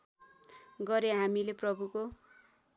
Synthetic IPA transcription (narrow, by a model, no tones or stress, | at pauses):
ɡʌɾeɦamileprʌbʱuko